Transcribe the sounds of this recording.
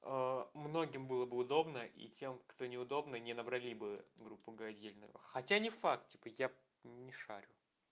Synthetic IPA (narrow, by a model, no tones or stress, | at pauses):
əmno̞ɡʲɪmbɨlˠəbɨʊd̪o̞bnəʔḭtʲe̞mkt̪onʲɪʊd̪o̞bnənʲɪnəbɾɐlʲibɨɡɾupːʊɡəɐdʲelʲnʊ̰jʊ̰xɐtʲanʲɪfak̚t̪̚tʲi̥pəja | nʲɪʂa̰ɾʲʊ